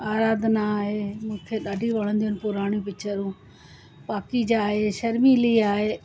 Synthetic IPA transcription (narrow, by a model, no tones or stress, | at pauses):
aːɾaːd̪ʱnaɦemũːkʰeɗaːɖʱiʋɐɽ̤ə̃nd̪ijənɪ̆pʊɾaːɽ̃ĩpɪt͡ɕʰəɾũː | paːkid͡ʑaːɦeʃɐɾmiliaːɦeː